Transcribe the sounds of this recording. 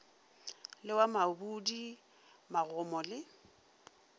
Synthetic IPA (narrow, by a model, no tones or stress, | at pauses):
lɪwamabudi | maɣʊmɔlɪ